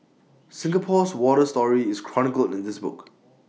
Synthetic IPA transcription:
sɪ̃ŋɡəpʰɔswɔɾəstɔɹiɪskʰɹ̥ɔnɪkəlɪ̰̃ndɪsbʊ̰k

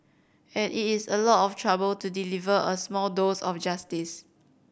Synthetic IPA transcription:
ɛ̃nʔitisəlɔtɔftʰɹabəltudilivəʔəsmɔldosɔfd͡ʒastis

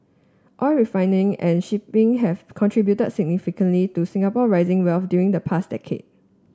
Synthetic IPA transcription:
ʔɔlɹifãɪ̃nɪ̃ŋɛ̃nʃipɪ̃ŋɦɛvkʰɔ̃ntʰɹibjutəd̚sɪɡ̚nifikə̃nlitusĩŋapɔɹaɪzɪ̃ŋwɛlfdjuɹĩŋdəpʰasdɛ̰kʰḛd̚

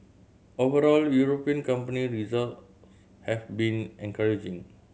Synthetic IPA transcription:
ovəɾɔljuɹopiə̃nkãmpəniɹizalt | s | hɛfbĩnɛ̃nkaɹid͡ʒĩŋ

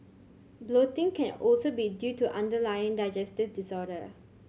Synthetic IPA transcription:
blotɪ̃ŋkʰɛ̃nɔlsobidjutuʔãndəlajə̃ŋdaɪd͡ʒɛstɪvdisɔɾə

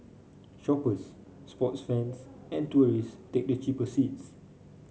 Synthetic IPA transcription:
ʃɔpəsː | pɔtsfɛ̃nsɛ̃ntuəɹistek̚dət͡ʃipəsits

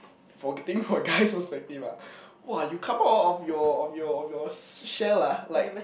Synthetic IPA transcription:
fɔɡɛtɪ̃ŋfɔəɡaɪspəspɛk̚tivawɔjukʰãmaʊtɔfjɔːfjɔːfjɔʃɛlalaɪk̚

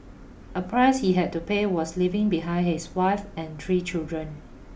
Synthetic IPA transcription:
ʔəpʰɹaɪshiɦɛd̚tupewɔslivɪ̃ŋbiɦãɪ̃nhiswaɪfɛ̃nt̪ʰɹiːt͡ʃildɹə̃n

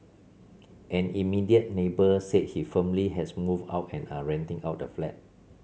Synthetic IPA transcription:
ʔɛ̃nimidiət̚nebəset̚hifəmliɦɛsmuva̰ʊtɛ̃naɹɛ̃ntɪ̃ŋawt̚dəflɛt̚

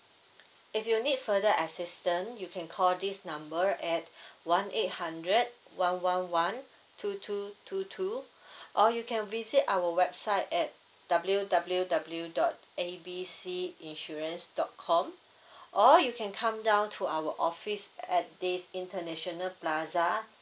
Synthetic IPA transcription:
ifjunit̚fədəʔəsistə̃njukʰɛ̃nkʰɔldisnãmbəɹʔɛt̚wãnʔet̚hãndɹəd̚wãnwãnwãn | tʰutʰutʰutʰuʔɔjukʰɛ̃nvizitawəwɛb̚saɪtɛt̚ | d̥abljudabljudabl̩judɔt̚ | ebisiĩnʃɔɹə̃nsdɔt̚kʰɔ̃m | ʔɔjukʰɛ̃nkʰãmdãʊ̃ntʰuawəʔɔfisɛt̚disĩntənɛʃɔnəlplaza

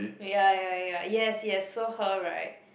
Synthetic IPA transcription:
jæjajæjɛsjɛsoʊhoɹa̰ɪt̚

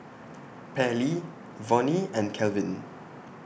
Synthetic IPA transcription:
pʰɛli | vɔ̃niɛ̃nkʰɛlvɪ̃n

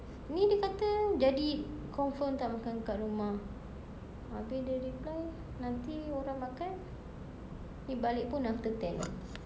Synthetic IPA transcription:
nidiəkat̪əd͡ʒadikɔmfənt̪aʔmakaŋkaʔrumah | abɪhdəɾiplaj | nant̪ioɾaŋmakan | nibalɪʔ̚pʊnːaft̪ət̪ɛl

